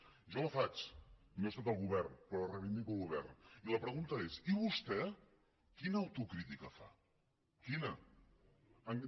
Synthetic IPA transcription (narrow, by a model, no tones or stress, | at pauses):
ʒɔləfat͡ʃnost̪at̪əlˠɣuβɛrnpɾɔrəβind̪ikuəlˠɣuβ̞ɛrniləpɾəɣunt̪əesiβ̞ust̪ɛ | kinəːwt̪ukɾit̪ikəfa̰ | kinə | əŋ